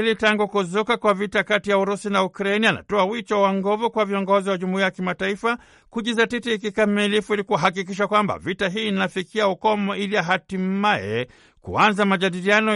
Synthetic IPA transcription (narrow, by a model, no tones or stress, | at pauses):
ilitaŋɡukuzukakwavitakatijauɾusinaukɾainiana̰tɔawit͡ʃɔwaŋɡɔvukwaviɔŋɡɔziwaʄumiajakimataifa | kuʄizatitiːkikamilifuilikuaɦakikiʃ̬akwamba̰vitaɦiːnafikiaukɔmɔʔiliaɦatimaɛ̰ | kṵanzamaʄaɗilianɔ